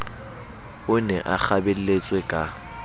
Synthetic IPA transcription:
ʊnɛʔak͡xabel̩let͡sʼwɛkʼa

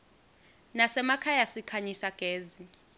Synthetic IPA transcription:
nasɛmakʰajasikʰaɲisaɡ̥ʱeːzi

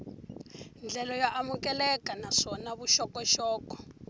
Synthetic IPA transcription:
nd͡ɮɛlɔjaʔamukɛlɛkʼanaʂɔnaβuʃɔkɔʃɔːkɔ̥

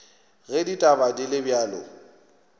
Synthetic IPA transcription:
ɣɛditʼabadilɪbjaːlɔ̰

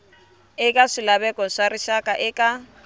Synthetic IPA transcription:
ɪkʼaʂilaβɛkʼɔʂariʃakʼaʔɪkʼa

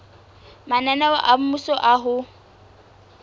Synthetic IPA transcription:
mananawaʔam̩musɔʔaɦʊ

